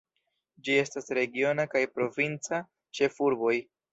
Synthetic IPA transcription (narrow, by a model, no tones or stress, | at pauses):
d͡ʒie̞stasɾe̞ɡio̞nakajpɾo̞vint͡sa | t͡ʃe̞fuɾbo̞j